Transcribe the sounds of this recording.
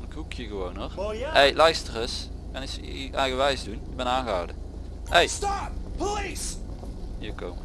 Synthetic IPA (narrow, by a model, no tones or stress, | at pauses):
nkukʰjəɣəʋownɔχejlɛjstərəs | kɑnisɛjɣəʋɛjzdunɪbɛnaːnɣəɦɑ̰wdə | ejstɑpplis | iːko̰m